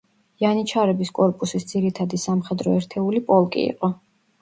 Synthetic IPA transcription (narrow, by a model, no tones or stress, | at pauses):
janit͡ʃʰaɾɛbiskʼɔɾpʼusisd̪z̥iɾit̪ʰad̪isamχɛd̪ɾɔɛɾt̪ʰɛulipʼɔlˠkʼḭḭqʼɔ